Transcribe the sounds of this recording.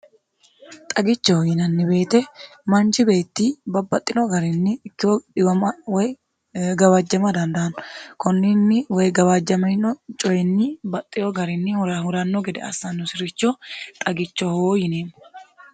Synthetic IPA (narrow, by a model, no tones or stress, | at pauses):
t̪ʼɐɡɪt͡ʃːɔhjɪnɐnːɪbe̞ːt̪ɛ | mɐnt͡ʃɪbe̞ːt̪ːiːbɐbɐt̪ʼːɪnɔɡɐɾɪnːɪkːɪɔᶑɪwɐmɐwɔj | ɡɐwɐd͡ʒːɐmɐd̪ɐnd̪ɐɐnkɔnːɪnːɪwɔjɡɐwɐd͡ʒːɐmɐnɔt͡ʃʼɔjɪnːɪbɐt̪ʼːɪjɔɡɐɾɪnːɪhʊɾɐhʊɾɐnːɔɡɛd̪ɛ̰ɐ̰sːɐnːʊsɪɾɪt͡ʃːɔt̪ʼɐɡɪt͡ʃːɔhoːjɪneːmːʊ